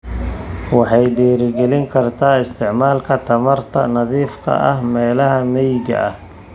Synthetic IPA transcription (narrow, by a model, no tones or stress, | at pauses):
wɑħɑjɖɛːɾɪɡɛlɪŋkʰɐrt̪ʰaːɪst̪ʰɪʕmaːlkʰɐt̪ʰɐmɐrt̪ʰɐ̰nɐðiːfkʰɐ̰ɐ̰hmɛːlɐɦɐmɛjɪɡɐ̰ʔɐh